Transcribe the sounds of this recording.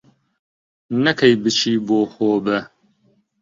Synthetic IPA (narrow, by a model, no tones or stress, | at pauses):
nɐkʰɐjbɨt͡ʃʰiːboːxoːbɨ